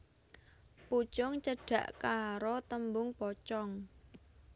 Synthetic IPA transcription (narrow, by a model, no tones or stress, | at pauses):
put͡ʃɔŋt͡ʃəɖ̥ä̤ʔkaɾot̪əmbʊŋpɔt͡ʃɔŋ